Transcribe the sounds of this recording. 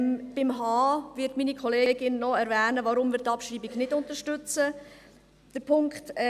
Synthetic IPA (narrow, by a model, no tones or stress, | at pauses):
b̥ɪmɦɑːvɪtmiːnikʰχɔleːeːɡɪnːɔɛɾvɛːnəʋɑɾʊmvɪːɾtːɑpʃɾiːbiɡnɪdʊntəɾʃtʏt͡sə | d̥əɾpʰʊŋkχt